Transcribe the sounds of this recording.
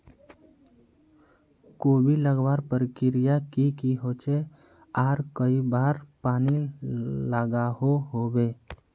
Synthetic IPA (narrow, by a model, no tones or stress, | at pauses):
koːbʱiləɡʋaːɾpəɾɪkɪɾɪjakikiɦoːt͡ʃe | aːɾkəibaːɾpaːnilaɡaɦoɦoːbeː